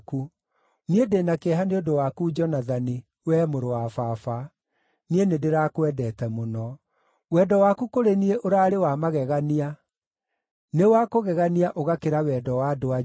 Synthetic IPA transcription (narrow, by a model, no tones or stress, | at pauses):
ku | niedenakeɛɦaneodowakud͡ʒɔnaðani | wɛːmoɾowafafa | nienedeɾakwɛdɛtɛmonɔ | wɛːdɔwakukoɾenieʔoɾaɾewamaɣɛɣania | newakoɣɛɣaniaʔoɣakeɾawɛːdɔwadoa